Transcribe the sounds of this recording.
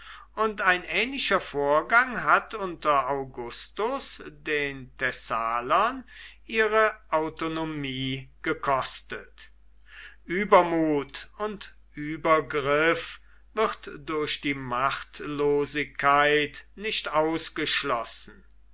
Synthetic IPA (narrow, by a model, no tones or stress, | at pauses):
ʔʊntaɪnʔɛːnlɪʃɐfoːɐɡaŋɦatʊntɐaʊɡʊstʊsdeːntɛsaːlɐnʔiːʁəʔaʊtonomiːɡ̥əkʰɔstət | ʔyːbɐmuːtʊnt | ʔyːbɐɡʁɪf | v̥ɪʁtd̥ʊɐɕd̥iːmaχtloːzɪkʰːaɪtnɪʃtaʊsɡ̥əʃlɔsn̩